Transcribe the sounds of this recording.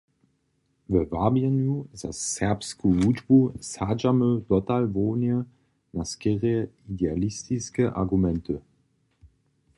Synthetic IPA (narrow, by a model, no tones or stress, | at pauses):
vəvabjənuzasːɛɐpskuvud͡ʒbusad͡ʒamød̥ɔtalvoːnjə | naskeʁeidealistiskəʔa̰ɡumɛntʰə